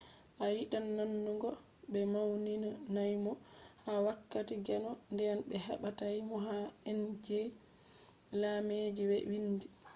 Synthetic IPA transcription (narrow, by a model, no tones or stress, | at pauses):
ʔajiɗanːanːuŋɡɔ | bɛmawninanajmɔhawakːatiɡɛnɔndɛjanbɛɦa̰ɓatajmɔɦaɛnd͡ʒe | lamed͡ʒiwɛ̰windi